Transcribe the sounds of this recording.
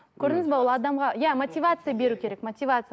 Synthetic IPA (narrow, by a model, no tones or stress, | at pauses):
kʲʰɵɾd̪ɪŋɪzbeolˠɑd̪ɑmʁɑjamot̪ʲivat̪sɨjabe̞ɾukʲʰe̞ɾe̞kmot̪ʲivat̪sɨj